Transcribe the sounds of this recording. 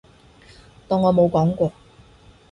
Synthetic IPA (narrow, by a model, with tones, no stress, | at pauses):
t̪ɔː˨ŋːɔː˨˧mo˨˧wkɔː˨˥ŋkʷɔː˧